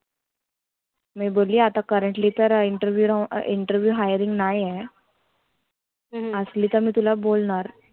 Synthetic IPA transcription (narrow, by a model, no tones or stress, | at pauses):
mɛ̃boːliat̪akəɾəɳʈlit̪əɾɪɳʈəɾʋjuɾɪ̃ɳʈəɾʋjuɦaːjəɾɪ̃ŋɡnaːiɦɛ | əslit̪əm̤ĩt̪ulaboːlnaːɾ